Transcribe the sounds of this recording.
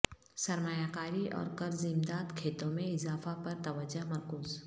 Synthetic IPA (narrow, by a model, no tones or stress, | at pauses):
sɐɾmaːjakaːɾiʔɔ̰ːɾkɐɾzĩmd̪aːt̪kʰeːt̪õmẽɪzaːfapɐɾt̪ɐʋəd͡ʒamɐɾkuːz